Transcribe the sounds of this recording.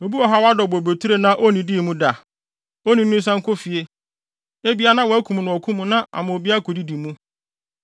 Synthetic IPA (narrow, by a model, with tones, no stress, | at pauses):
o˨bi˦ɔ˨ɦa˦wa˦dɔ˨bo˨bo˨tʰu˦ɾe˦nã˦ʔo˦nĩ˨diː˦˨mũ˦da˨ | o˦nĩ˨nʊ̃˦s̬ã˦ŋ̩˦kʰʊ˦fi˨e˦ | e˦bi˦a˦nã˦wɔ˨˦æ˦kʰũ˨m˨nʊ̃˨ɔ˨kʰu˦mũ˦nã˦ʔa̰˨mã˨o˨bi˦a˦kʰo˨di˦di˨mũ˦